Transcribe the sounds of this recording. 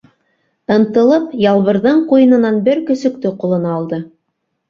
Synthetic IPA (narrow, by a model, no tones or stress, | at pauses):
ɤ̆nt̪ɤ̆lˠɤpjɑlˠβɤ̆ɾðɤɴqujɤ̆nɤ̆nɑnbɘɾkɵ̆sɵ̆k̚t̪ɵqulˠɤ̆nɑːlˠd̪ɤ